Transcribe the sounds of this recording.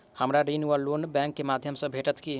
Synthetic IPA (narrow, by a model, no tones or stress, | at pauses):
həmɾaɾinuəlːonbɛ̃ŋkːemad̪ʱjəmsə̃bʱeʈət̪ki